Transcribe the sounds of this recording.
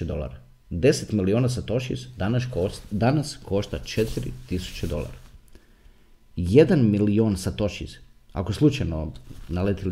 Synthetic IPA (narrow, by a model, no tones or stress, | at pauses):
ed̪o̞lˠa̰ɾa | d̪e̞set̪milioːnasat̪o̞ʃḭzd̪anaʃd̪anasko̞ʃt̪at͡ʃet̪iɾḭt̪isu̥t͡ɕed̪o̞̰lˠa̰ɾa | je̞d̪anmilioːnsat̪o̞ʃḭza̰koeslˠut͡ʃajno̞nale̞t̪il